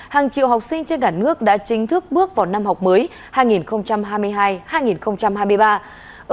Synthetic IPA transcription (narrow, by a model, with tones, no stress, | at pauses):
haː˨˩ŋt͡ɕḭ˧˨wɦa˨˩wk͡p̚sï˧ŋ̟t͡ɕe˧nkaː˧˩nɨ˦˥ək̚ɗa̰ː˧˥t͡ɕï˨˦ŋ̟t̪ʰɨ˦˥k̚ɓɨ˦˥ək̚vaː˨˩na˧mɦa˨˩wk͡p̚məː˨˦j | haː˧jŋi˨˩nxə˧wŋ͡mt͡ɕa˧mɦaː˧jmɨ˧əjɦaː˧jhaː˧jŋi˨˩nxə˧wŋ͡mt͡ɕa˧mhaː˧jmɨ˧əjɓaː˧ | ʔ